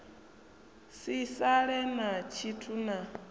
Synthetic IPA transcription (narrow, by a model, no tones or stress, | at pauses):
sisaɺɛnat͡ʃʰitʰuna